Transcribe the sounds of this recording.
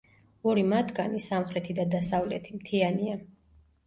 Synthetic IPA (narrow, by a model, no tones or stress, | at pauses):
ɔɾimat̪ʰɡanisamχɾɛt̪ʰid̪ad̪asavlɛt̪ʰimt̪ʰiania